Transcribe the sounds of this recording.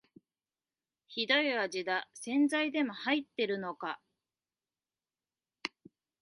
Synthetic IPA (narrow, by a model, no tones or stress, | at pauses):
çid̪oiβad͡ʑid̪asẽ̞nd͡zaid̪e̞mo̞hait̪ːe̞ɾɯ̟no̞ka